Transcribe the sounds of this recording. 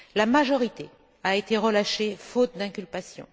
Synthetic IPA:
lamaʒɔʁit̪e | aet̪eʁəlaʃefot̪̚d̪ɛ̃kʲylpasjɔ̰̃

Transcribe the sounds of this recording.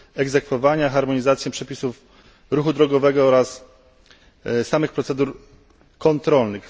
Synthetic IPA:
ɛɡzɛkfɔvaɲaxaɾmɔɲizat̪sjɛpʂɛpʲisuf | ɾuxud̪ɾɔɡɔvɛɡɔɔɾas | samɘxpɾɔt̪sɛd̪uɾ | kɔnt̪ɾɔlnɘx

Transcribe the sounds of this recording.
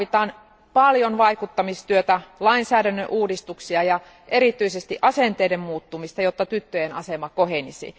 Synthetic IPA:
it̪ɑːn | pɑljonʋɑikut̪ːɑmist̪yøt̪ælɑinsæːɾænːøʔuːdist̪uksiɑjɑ | ʔeɾit̪yisest̪iʔɑsent̪eidemmuːt̪ːumist̪ɑjot̪ːɑt̪yt̪ːøjenɑ̰semɑkoɦenisḭ

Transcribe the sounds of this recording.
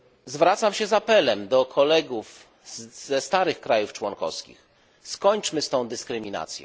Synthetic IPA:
zvɾat̪samɕɛzapɛlɛmd̪ɔkʰɔlɛɡuf | z̥ɛst̪aɾɘxkɾajuft͡ʂwɔŋkɔ̰fskʲḭx | skɔɲt͡ʂmɘst̪ɔ̃w̃d̪ɘskɾɘmʲina̰t̪sʲjɔ̰̃

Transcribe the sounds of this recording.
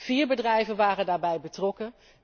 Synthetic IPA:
v̥iːɹbədrɛjvənʋaːrəndaːɹbɛjbətrɔkən

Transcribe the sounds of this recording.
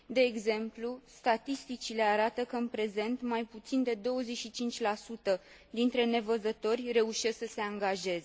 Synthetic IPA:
d̪e̞ːɡze̞mplust̪at̪ist̪it͡ʃile̞aɾat̪əkəɨnpɾe̞ze̞nt̪majput̪sind̪e̞d̪o̞wəze̞ʃit͡ʃint͡ʃʲlasut̪ə | d̪int̪ɾe̞ne̞vəzət̪o̞rʲre̞uʃe̞sksəse̞aŋɡaʒe̞ze

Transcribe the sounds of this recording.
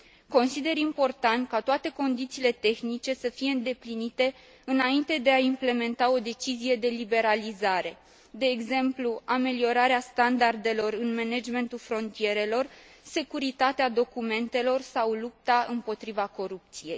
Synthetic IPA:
ko̞nsid̪e̞ɾimpo̞rt̪ant̪̚kat̪oat̪e̞ko̞nd̪it̪siːle̞t̪e̞xnit͡ʃe̞səfije̞ɨnd̪e̞plinit̪e̞ | ɨnaint̪e̞d̪e̞aimple̞me̞nt̪ao̞d̪e̞t͡ʃizije̞d̪e̞libe̞ɾalizaɾe̞ | d̪e̞ːɡze̞mpluame̞lio̞ɾaɾeast̪and̪ard̪e̞lo̞rɨnmened͡ʒme̞nt̪ulfɾo̞nt̪ije̞ɾe̞lo̞rse̞kuɾit̪at̪ead̪o̞kume̞nt̪e̞lo̞rsawlup̚t̪aɨmpo̞t̪ɾivako̞ɾup̚t̪sije̞j

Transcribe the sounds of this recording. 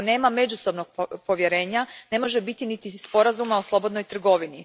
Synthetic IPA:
ne̞ːmame̞d͡ʑuso̞bnoɡ̚po̞ʋje̞ɾe̞ːɲane̞mo̞ʒebit̪init̪ispo̞ɾazumaoslˠo̞bo̞d̪nojt̪r̩ɡo̞ʋini

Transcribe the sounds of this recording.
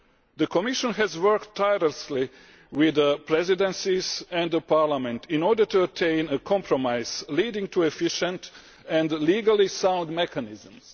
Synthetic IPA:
ðəkʰɔmɪʃə̃nɦɛzwɜ˞ktʰːajɾəsli | wɪðəpʰɹɛzidɛ̃nsizɛ̃ndðəpʰaɹlamɛ̃ntʰĩnɔɹdə˞tuətʰẽɪ̃nəkʰɔ̃mpʰɹɔmaɪz̥liːdɪ̃ŋtʰuɛfiʃə̃nt | ɛ̃ndliːɡalˠisãw̃ndmɛkʰanɪzə̃ms

